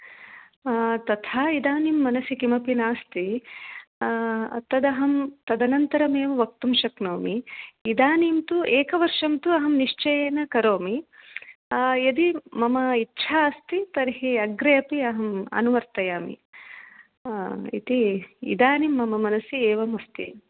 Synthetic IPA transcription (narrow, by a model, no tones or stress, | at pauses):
t̪ɐt̪ʰaːid̪aːnimːɐnɐsikimɐpinaːst̪i | ɐ̰t̪ːɐd̪ɐɦɐmt̪ɐd̪ɐnɐnt̪ɐɾɐmeːʋɐʋɐk̚t̪umʃɐknoːmiːd̪aːniːmt̪uʔeːkɐʋɐɾʂɐmt̪uɐɦɐmniʂt͡ʃɐjenɐkɐɾoːmi | jɐd̪imɐmɐitːʃʰaːɐst̪it̪ɐɾɦiɐɡɾɐjɐpiɐɦɐmɐ̰nuʋɐɾt̪ɐjaːmḭ | ḭt̪iḭd̪aːnimːɐmɐmɐnɐsieːʋɐmɐst̪ḭ